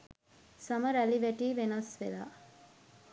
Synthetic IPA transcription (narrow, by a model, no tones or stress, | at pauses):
saməɾæliʋæʈiːʋenɐsʋela̰ː